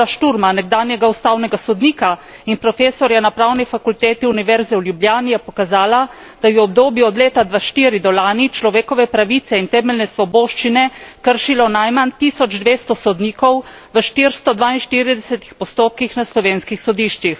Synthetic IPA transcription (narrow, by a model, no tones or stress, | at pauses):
aʃt̪uɾmanɛɡ̚d̪aːnjɛɡaust̪aːwnɛɡasɔd̪niːka | inpɾɔfeːsɔɾjanapɾawnifakult̪eːt̪iuniʋɛɾzɛwljubljaːnijɛpɔkazaːla | d̪̥ajɛɔb̚d̪oːbjiɔd̪leːt̪ad̪ʋaʃt̪iːɾid̪ɔlaːnit͡ʃlɔʋeːkɔʋɛpɾaʋit̪sɛint̪ɛːmɛlnɛsʋɔboːʃt͡ʃinɛkəɾʃilɔnajmant̪iːsɔd͡ʒd̪ʋeːst̪ɔsɔd̪niːkɔw | ʋəʃt̪iɾst̪ɔd̪ʋaːinʃt̪iːɾid̪ɛsɛt̪i̥xpɔst̪oːp̚kixnaslɔʋeːnskixsɔd̪iːʃt͡ʃix